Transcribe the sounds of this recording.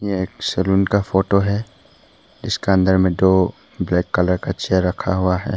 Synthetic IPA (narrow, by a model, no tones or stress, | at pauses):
jeeːksɛluːnkafoːʈoɦɛ | d͡ʒɪskeɐ̃nd̪əɾmẽɖoː | blɛːkːɐləɾkat͡ʃeːɾːɐkʰaɦʊaɦɛ̰ː